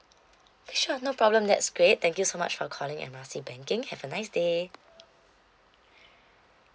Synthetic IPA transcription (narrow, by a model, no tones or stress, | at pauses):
b̥iʃunopʰɹɔblə̃mdɛ̰tsɡ̥ɹet̚t̪ɛ̃ŋkjusoma̰t͡ʃfɔkʰɔlɪ̃ŋɛ̰̃nmasibɛ̃ŋkɪ̃ŋhɛvənaɪsde